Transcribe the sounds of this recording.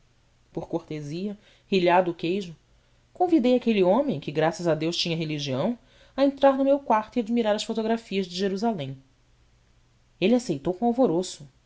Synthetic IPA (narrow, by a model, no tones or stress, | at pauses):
poχkoɾt̪eziɐ | hiʎad̪ʊːkejʒʊ | kõvid̪ejakeliõmẽj̃kɪɡɾasɐzɐd̪ewʃt͡ʃĩɲɐɦeliʒiɐ̃w̃ | ɐẽnt̪ɾaɾnʊmewkwaɾt̪ʊiad͡ʒmiɾaɾɐsfot̪oɡɾafiɐzd͡ʒɪʒeɾuzalẽj̃ | elɪasejt̪owkõawvoɾosʊ